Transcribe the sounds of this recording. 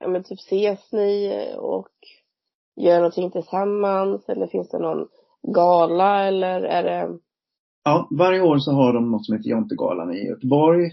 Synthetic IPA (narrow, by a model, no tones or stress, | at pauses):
jʔɑ̰ːmɛnt̪ʰyːpseːsnɪɔ̰k | jœːɳɔnt̪ʰɪŋːt̪ʰɪlsamːansɛ̰lːəɾfɪnsd̪ɛnɔn | ɡɑːlaɛlːəɾæ̰ɖɛ | ɑːvaɾjəoːɾsɔɦaɖɔmnɔt̪sɔmheːt̪əjɔnt̪əɡɑ̰ːla̰nɪ̰jœ̰t̪əbɔɾj